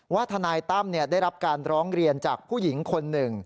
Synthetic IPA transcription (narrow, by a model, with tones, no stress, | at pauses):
waː˥˩t̪ʰa˧naː˧jt̪a˥˩mni˥˩daː˥˩jɾa˦˥p̚kaː˧nɾɔː˦˥ŋɾi˧ənt͡ɕaː˨˩k̚pʰuː˥˩ji˩˦ŋkʰo˧nːɯ˨˩ŋ